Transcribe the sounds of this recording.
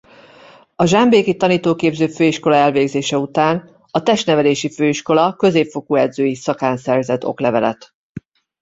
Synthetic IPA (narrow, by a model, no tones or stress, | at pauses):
ɒʒambeːkit̪ɒniːt̪oːkeːbzøːføːiʃko̞lɒɛlveːɡzeːʃɛut̪aːn | ɒt̪ɛʃnɛvɛleːʃiføːiʃko̞lɒkø̞zeːpfo̞kuːɛd̪zøːjisɒkaːnsɛrzɛt̪ːo̞̰klɛvɛlɛ̰t̪